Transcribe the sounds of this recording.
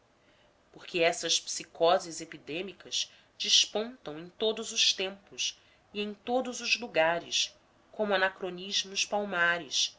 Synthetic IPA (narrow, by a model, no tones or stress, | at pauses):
poχkeɛsɐspsikɔzizepid̪ẽmikɐz | d͡ʒiʃpõnt̪ɐ̃w̃ẽj̃t̪od̪ʊzʊʃt̪ẽmpʊs | iẽj̃t̪od̪ʊzʊzluɡaɾɪs | kõmʊanakɾoniʒmʊʃpawmaɾɪ̰ʃ